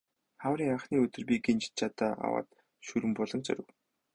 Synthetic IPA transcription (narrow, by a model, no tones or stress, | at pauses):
χawɾiːŋaχniːɵt̪ɵ̆rpiɡint͡ɕt͡ɕʰat̪aːʔa̰wa̰ːt̪ | ʃuɾɘ̆mpʊɮɞ̆ŋt͡sœ̰ɾɘ̆w